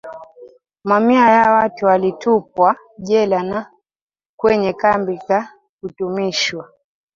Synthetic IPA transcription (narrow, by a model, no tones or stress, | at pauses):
mamiajawatualitup̚wa | ʄɛlana | kwɛɲɛkambika | kutumiʃwa